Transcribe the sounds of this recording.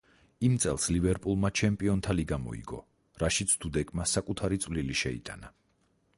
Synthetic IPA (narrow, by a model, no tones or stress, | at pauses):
imt̪sʼɛlˠslivɛɾpʼulˠmat͡ʃʰɛmpʼiɔnt̪ʰaliɡamɔ̰ḭɡɔ̰ | ɾaʃit̪sʰd̪̥ud̪ɛkʼmasakʼut̪ʰaɾit̪sʼvliliʃɛḭt̪ʼa̰na